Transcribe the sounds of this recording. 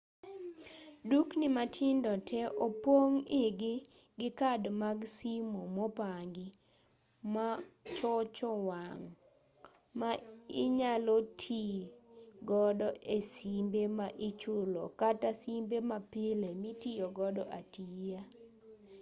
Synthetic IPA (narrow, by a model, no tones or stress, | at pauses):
duknɪmatʰɪndɔtʰɛʔopwoŋɪɡɪ | ɡɪkadmaɡsimomɔpaŋɡɪ | mat͡ʃɔt͡ʃɔwaŋ | maɪɲalotʰi | ɡɔdɔesimbemaʔɪt͡ʃʊlɔ̰katasimbemapɪlemitijoɡɔdɔʔatija